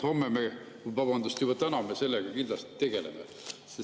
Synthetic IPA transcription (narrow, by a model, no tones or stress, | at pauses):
ho̞mːeme | vɑbɑnd̪ust̪jubɑt̪ænɑmese̞lːeɡ̥ɑkind̪lɑst̪i̥t̪e̞ɡ̥e̞lḛme | ses